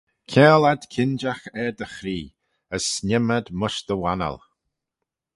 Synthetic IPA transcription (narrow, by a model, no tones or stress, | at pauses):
kʰɛːlad̪kʰɪnd͡ʒaxɛd̪əxɾiː | əsːnʲɪməd̪mʊʃd̪əwanə̰lˠ